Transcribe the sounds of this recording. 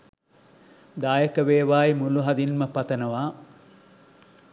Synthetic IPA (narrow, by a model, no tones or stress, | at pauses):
d̪aːjəkəʋeːʋaːimuluɦɐd̪inməpɐt̪ɐnɐʋaː